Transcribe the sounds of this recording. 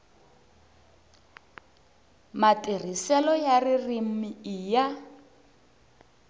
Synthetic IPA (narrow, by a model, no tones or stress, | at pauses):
matir̤isɛlɔjaririm̩miija